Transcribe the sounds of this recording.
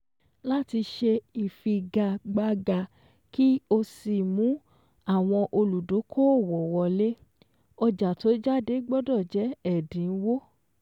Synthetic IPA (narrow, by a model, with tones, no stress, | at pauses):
la˦ti˧ʃe˧i˨fi˧ɡa˧˨ɡ͡ba˧ɡa˧ | ki˦o˧si˧˨mũ˨˦ | a˦˨w̃ɔ̃˧ʔo˧lu˨do˨˦kʰo˦o˦˨wɔ˨wɔ˧le˦ | ɔ˧d͡ʒa˨to˨˦d͡ʒa˦˨de˦ɡ͡bɔ˦dɔ˦˨d͡ʒɛ˨˦ɛ˦˨dĩ˨˦wo˦